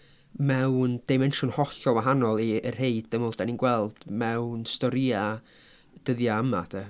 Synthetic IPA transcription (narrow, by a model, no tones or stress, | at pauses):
mɛwnd̥emɛnʃʊnhɔɬɔwaɦanɔlˠiərheɨd̥dəmʊlˠdaninɡwɛlˠd̥mɛwnstɔɾia | d̥əðjaəmatʰə